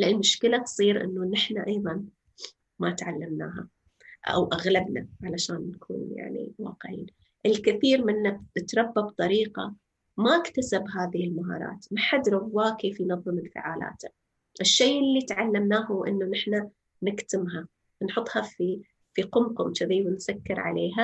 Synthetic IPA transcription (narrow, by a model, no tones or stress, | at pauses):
lʔanmʊʃkɪlat̪sˤiːɾʔɪ̰nːunɪħnaʔɑjðˤɑn | mat̪ʕalːamna̰ːɦa̰ | ʔa̰wʔaɣlabna̰ʕalaʃaːnːakʰṵːnja̰ʕnḭwɑ̰ːqʕḭːn | ʔɪlkɪθiːɾmɪnːat̪ɾˤɑbːabt̪ˤɑɾiːqɑ̰ | maɪkt̪asabɦaːðɪhɪlmaɦɑ̰ːɾˤɑ̰ːt̪maħad̪ɾɑwːaːkeːfjnɑðˤːɨmɪlfɪ̰ʕaːla̰ːt̪a | ʔɪʃːejʔɪlːit̪ʕalːamnaːhuːʔɪ̰nːunɪħna | nɪkt̪ɪmɦa | nħʊt̪ˤːhɑfi | fiqʊmqʊmt̪ɪðiːwɪnsakːɪɾʕa̰leːɦa